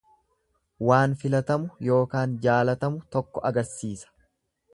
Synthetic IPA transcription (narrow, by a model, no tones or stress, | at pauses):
waːnfɪlɐt̪ɐmʊjo̞ːkaːnd͡ʒaːlɐt̪ɐmʊt̪ɔkːɔʔɐɡɐɾsiːsɐ̥